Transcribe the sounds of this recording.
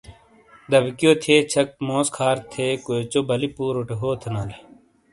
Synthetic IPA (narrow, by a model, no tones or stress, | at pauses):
d̪ɐbkijoːt̪ʰeːt͡ɕʰɐk̚mõːskʰaːɾt̪ʰeːkoːjt͡ɕoːbɐlipuːɾʊʈeɦoːt̪ʰɐnaːle